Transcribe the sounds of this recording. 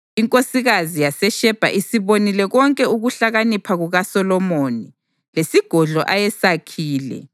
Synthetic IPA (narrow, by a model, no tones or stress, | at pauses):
iŋkʼosiɣazijasɛʃɛb̥ʱa̰ʔisiβonilɛɣɔŋkʼɛuɣuɬaɣanipʰaɣuɣasɔlɔmoni | lesiɡ̥ʱɔɮɔ̰ʔajɛsakʰiːlɛ̰